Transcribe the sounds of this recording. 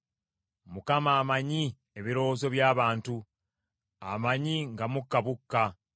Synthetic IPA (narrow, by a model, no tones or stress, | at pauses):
mukamaːmaɲi | eβiɾo̞ozo̞βjaːβaːntu | a̰maɲiŋɡamukːaβukːa